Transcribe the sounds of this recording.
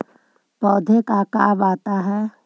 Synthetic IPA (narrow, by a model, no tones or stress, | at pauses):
pɔːd̪ʱekaka̰ːbaːt̪aɦɛː